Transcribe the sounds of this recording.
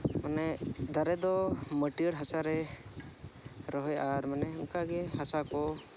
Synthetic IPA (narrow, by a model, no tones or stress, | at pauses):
manɛd̪aɾɛd̪ɔməʈiəɽɦasaɾɛ | ɾɔɦɔjʔaɾmanɛukaɡɛɦasakɔ